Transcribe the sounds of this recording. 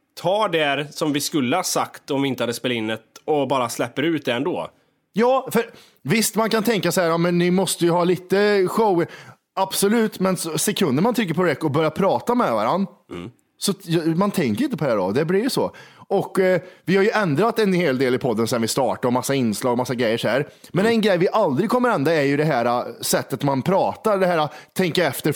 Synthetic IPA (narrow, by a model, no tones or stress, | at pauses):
t̪ʰɑːɖɛɾsɔmvɪskɵlːəhasakt̪ɔmvɪɪnt̪əhad̪ːəspeːlaɪnːɛt̪ɔbɑːɾaslɛpːəɾʉ̟ːt̪̚d̪ɛɛnd̪o̰ː | jɑːfœɾ | vɪst̪mankant̪ʰɛŋkasahæːɾɑmɛnːɪmɔst̪əjɵɦɑːliːt̪əɧɔʊəɾ | ab̥sɔlʉ̟ːt̪mɛnsɔsɛkʰɵnd̪əmant̪ʰɾʏk̬ːəɾpʰɔd̪ɛkɔbœɾjapʰɾɑːt̪amɛvaɾanː | sɔjmant̪ʰɛŋkəɾɪnt̪əpʰɔd̪æːɖɔ̰d̪ɛblɪɾjsɔ̰ɔkːvɪhaɾjɵɛnd̪ɾat̪ːɛnheːld̪eːlɪpʰɔd̪ːənsɛnvɪst̪ɑːʈaɾɔmasːaɪnːslɑːɡɔmasːaɡɾɛjːəʂæ̰ːɾmɛnɛnɡɾɛjvɪʔald̪ɾɪɡ̚kʰɔmːəɾɛnd̪aɛɾjɵd̪ɛɦæːɾasɛt̪ːət̪manpʰɾɑːt̪aɾɖɛɦæːɾat̪ʰɛŋkaɛft̪əɾ